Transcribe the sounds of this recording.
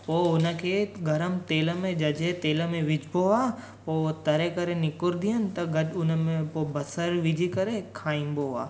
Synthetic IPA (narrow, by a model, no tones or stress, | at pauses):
poːʊnəkʰeɡʱɐɾəmt̪eːləmẽd͡ʒɐd͡ʒet̪eːləmẽʋɪd͡ʒboaː | poːt̪ɐɾekɐɾenɪkʊɾd̪ijənɪ̆t̪ɐɡɐɖʊnəmẽpoːbɐsəɾʋɪd͡ʒikɐɾekʰaːĩboa̰ː